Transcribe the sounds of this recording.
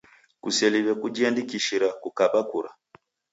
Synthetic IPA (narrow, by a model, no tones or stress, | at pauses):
kusɛliβɛkud͡ʒiandikiʃiɾakukaɓakuɾa